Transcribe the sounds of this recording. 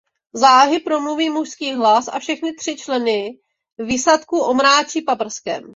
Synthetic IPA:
zaːɦɪpɾomluviːmuʃskiːɦlasa̰fʃɛxnɪt̪r̥ɪt͡ʃlɛnɪ | visat̪kuːʔo̞mɾaːt͡ʃiːpapr̩skɛ̰m

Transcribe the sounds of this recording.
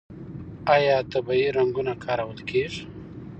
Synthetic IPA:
ajɑːt̪əbajiɾaŋɡunakʰɑːɾawəlkeʐ

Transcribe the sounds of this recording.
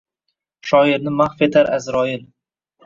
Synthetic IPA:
ʃɒɪɾnɪmaχfe̞t̪ʰaɾʔazɾɒɪl

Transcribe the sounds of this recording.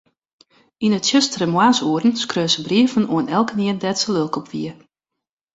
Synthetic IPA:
inətsjøstərəmwaːsuərn̩skrøːsəbriəvənʔoənɛlˠkəniəndɛtsəlølˠkɔpʋiə

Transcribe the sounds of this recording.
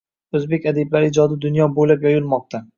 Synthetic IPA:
ɵzbe̞kʲad̪eblaɾɪɪd͡ʒɒd̪ɪd̪ʊnjɒbolapjɒjʊlˠmɒq̚t̪ʰa

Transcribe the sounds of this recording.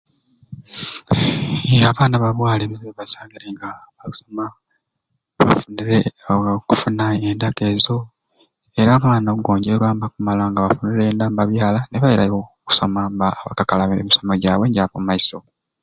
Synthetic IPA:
aβaːnaβaβwaːleβiziβeβasaːŋɡiɾeŋɡaβau̥soma | βa̰funiɾeku̥funaendake̞zo̞ | e̞ɾamaːnauɡo̞ːɲɟeɾwaːmbakumalaŋɡaβafuniɾeːndaːmbaβjaːlane̞βaβeɾajo | ku̥so̞mambaβa̰kakalaβmiso̞moɟaːwe̞ːɲɟaβommaiso̞

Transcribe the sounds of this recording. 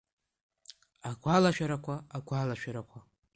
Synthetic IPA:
aɡʷalaʃᶣaɾakʷʰaːɡʷalaʃᶣaɾakʷʰa

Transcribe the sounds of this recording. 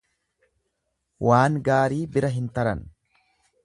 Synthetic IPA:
waːŋɡaːɾiːbɪɾɐɦɪnt̪ɐɾɐn

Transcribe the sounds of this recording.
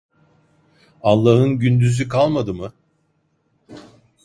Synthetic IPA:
alˠːaɦɯnɟynd̪yzykʰalˠmad̪ɯmɯ

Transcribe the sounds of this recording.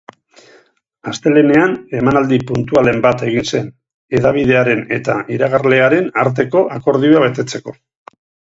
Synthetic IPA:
ast̪e̞le̞ne̞ane̞manald̪ipunt̪uale̞mbat̪e̞ɣ̞inse̞n | e̞ðaβ̞iðe̞aɾe̞ne̞t̪a̰ʔiɾaɣaɾle̞aɾe̞naɾt̪e̞ko̞ʔako̞ɾð̞iuaβe̞t̪e̞t͡se̞ko̞

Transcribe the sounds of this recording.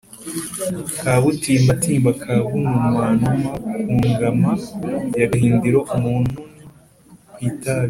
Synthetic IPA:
kʰaβutiːmbatiːmbakʰaβuŋumwaːnumakuːŋɡamajaɡaɦiːndiɾoʔumuːnhu | kwiːtaβi

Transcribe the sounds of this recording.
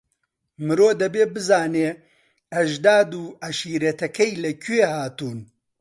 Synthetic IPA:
mɨɾoːd̪ɐbeːbɨzaːneː | ɐʒd̪aːd̪uːɐʃiːɾet̪ɐkɐjlɐkʰeːhaːt̪uːn

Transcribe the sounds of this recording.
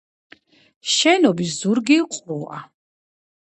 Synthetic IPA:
ʃɛnɔbisz̥uɾɡiqʼua̰

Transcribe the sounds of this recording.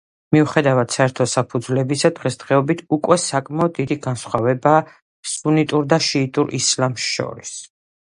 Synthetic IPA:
miuχɛd̪avad̪̥saɛɾt̪ʰɔsapʰud̪zlɛbisad̪ʁɛsd̪̥ʁɛɔbit̪ʰukʼwɛsakʼmaɔd̪ːid̪iɡansχwavɛbaː | sunit̪ʼuɾd̪aʃiːt̪ʼuɾʔḭslamʃʃɔ̰ɾḭs

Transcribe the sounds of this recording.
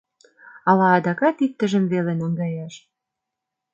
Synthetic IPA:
ɑlɑːd̪ɑkɑt̪ik̚t̪ə̆ʒə̆mvelenɑŋɡɑjɑʃ

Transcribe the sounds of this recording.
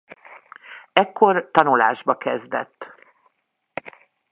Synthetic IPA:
ɛkːo̞rt̪ɒnula̰ːʒbɒkɛzd̪ɛ̰t̪ː

